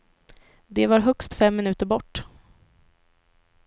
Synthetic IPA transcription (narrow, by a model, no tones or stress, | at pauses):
d̪ɛvaɾɦœkst̪fɛmːɪnʉ̟ːt̪əɾbɔʈː